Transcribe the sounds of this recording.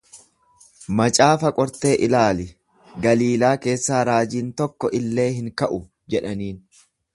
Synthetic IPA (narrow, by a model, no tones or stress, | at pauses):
mɐt͡ʃʼaːfɐkʼɔɾt̪e̞ːʔɪlaːlɪ | ɡɐliːlaːke̞ːsːaːɾaːd͡ʒiːnt̪ɔkːɔʔɪlːe̞ːɦɪŋkɐʔʊ | d͡ʒɛᶑɐniːn